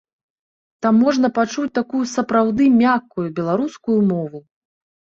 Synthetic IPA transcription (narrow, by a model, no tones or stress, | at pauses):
t̪amːɔʐnɐpat͡ʂut͡sʲt̪akujusɐpɾawd̪ɨmʲakːujubʲɛlˠaɾuskujumɔvu